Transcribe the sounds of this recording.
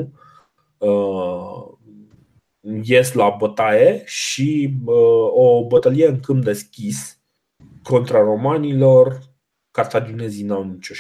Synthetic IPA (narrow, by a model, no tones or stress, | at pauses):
ə | jeslabət̪ajeʃi | obət̪əlijeɨŋkɨmp̚d̪e̞skʲis | ko̞nt̪ɾaro̞manilo̞r | kart̪ad͡ʒinezinamt͡ʃo